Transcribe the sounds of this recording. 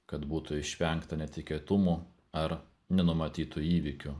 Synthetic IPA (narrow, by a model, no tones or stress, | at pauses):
kɐt̪buːt̪ʊɪʃʲʋʲɛŋkt̪ɐnʲɛt̪ʲɪkʲiɛt̪ʊmu | ɐɾ | nʲɛnʊmɐt̪ʲiːt̪ʊiːʋʲɪkʲʊ